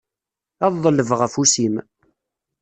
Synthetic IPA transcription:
ɑðˤðˤələvʁəfusim

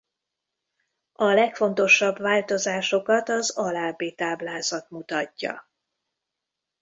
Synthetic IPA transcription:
ɒlɛkfo̞nt̪o̞ʃɒbvaːlt̪o̞zaːʃo̞kɒt̪ɒzɒlaːbeːt̪aːblaːzɒt̪mut̪ɒcːɒ̰

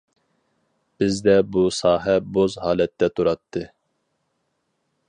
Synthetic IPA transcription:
b̥ɪzd̪ɛbusɑːɦɛbozhɑːlɛt̪ːɛt̪ʰuɾɑt̪ʰːɨ

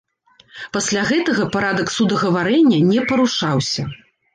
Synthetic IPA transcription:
pasʲlʲaɣɛt̪ɐɣɐpaɾad̪ɐksud̪ɐɣɐvaɾɛnʲːɐnʲɛpɐɾuʂawsʲɐ

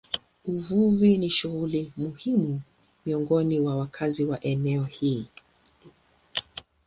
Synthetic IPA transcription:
uvuviniʃuɣulimuhimu | miɔŋɡɔniwawakʰaziwaʔɛnɛɔhiː

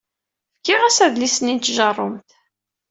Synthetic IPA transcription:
fkːɪʁæsæðlisnint̪ːʒərˤːʊmt̪

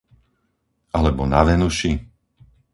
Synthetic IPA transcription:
ʔalɛbɔnaʋɛnuʃi

